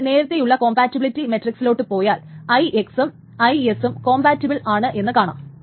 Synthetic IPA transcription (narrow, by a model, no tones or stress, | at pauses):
ne̞ːɾɐt̪ːe̞juɭːɐko̞ːmbaːtːibilitːime̞tːriksilo̞ːʈːɨpo̞ːjaːlɐjʔeksum | ɐjesumko̞ːmbaːtːibilɭaːɳɨʔe̞nːɨkaːɳa̰ːm